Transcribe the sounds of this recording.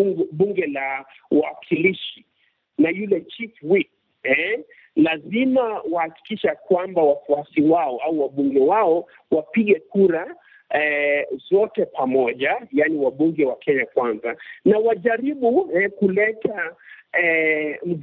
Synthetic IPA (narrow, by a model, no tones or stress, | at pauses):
ɓuŋɡɛla | wakʰiliʃi | najulɛt͡ʃifwik | ɛ | lazimawahaki̥kiʃakwambawafuasiwaɔauwaɓuŋɡɛwaɔ | wapiɠɛkuɾa | ɛzɔtɛpamɔʄajaniwaɓuŋɡɛwakɛɲakwanzanawaʄaɾiɓuɛkulɛta | m̩